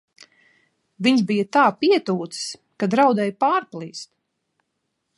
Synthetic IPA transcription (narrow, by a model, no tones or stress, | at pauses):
viɲzbijat̪aːpiɛt̪uːt̪ss | kad̪ɾawd̪ɛjpaːɾplˠiːst̪